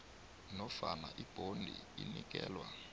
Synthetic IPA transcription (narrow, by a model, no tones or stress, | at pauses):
nɔfanaʔib̥ʱondʱiinik̬ʼɛːlwa